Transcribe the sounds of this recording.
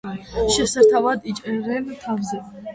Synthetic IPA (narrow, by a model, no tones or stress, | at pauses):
ʃɛsaɾt̪ʰavad̪it͡ʃʼɛɾɛmt̪ʰavzɛ